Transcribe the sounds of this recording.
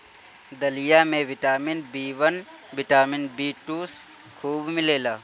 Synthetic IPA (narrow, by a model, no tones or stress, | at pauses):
d̪ɐlijaːmẽːʋɪʈaːmɪnbiːʋɐn | ʋɪʈaːmɪnbiːʈuːs | kʰuːbmɪleːlaː